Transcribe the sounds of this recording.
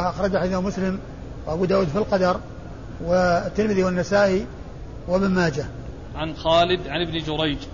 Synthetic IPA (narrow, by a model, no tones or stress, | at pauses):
ʔɑxɾˤɑd͡ʒaħaðamʊslɪm | wʔabuːd̪aːwuːd̪filqɑd̪ɑɾˤ | wɪt̪ːɪɾmɪðiwanːasaːʔi | wɪbɪnmaːd͡ʒa | ʕanxaːlɪd̪ʕanɪbnd͡ʒʊɾˤɑjd͡ʒ